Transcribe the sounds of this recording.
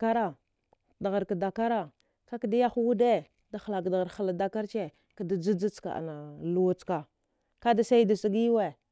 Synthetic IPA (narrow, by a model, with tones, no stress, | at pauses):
a˦ɾa˨ | da˨ɣa˨ɾka˨da˨ka˦ɾa˨ | ka˦ki˨da˦ja˦xu˦wu˦de˦ | da˨xla˨kda˨ɣa˨ɾxa˨la˨da˦ka˦ɾt͡ʃe˦ | ka˨da˨d͡zi˦d͡za˦t͡ska̰˨ʔa̰˨na˨lu˦˨wu˦t͡ska˨ | ka˦da˦sa˦i˦da˨si˦ɡi˦we˨